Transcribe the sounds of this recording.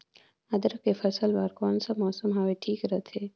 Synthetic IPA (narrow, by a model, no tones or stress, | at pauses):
ɐd̪əɾəkefɐsəlbaːɾkɔːnsamɔːsəmɦaweʈʰiːkɾɐɦt̪ʰeː